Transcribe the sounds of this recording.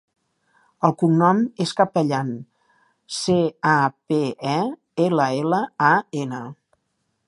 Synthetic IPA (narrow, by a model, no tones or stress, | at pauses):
əlˠkuŋnɔmeskəpəʎan | seapeɛ | eləeləaenə